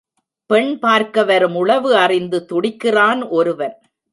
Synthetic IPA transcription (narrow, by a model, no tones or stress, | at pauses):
pɛɳpaːɾkɐʋɐɾɯmʊɭɐʋɯɐrɪnd̪ɯt̪ʊɽɪkːɪraːnʔɔɾɯʋɐɾ